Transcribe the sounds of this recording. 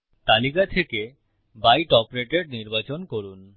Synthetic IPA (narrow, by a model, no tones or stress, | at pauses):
t̪alikat̪ʰeke | bajʈɔpoɾeʈeɖniɾbat͡ɕonkoɾun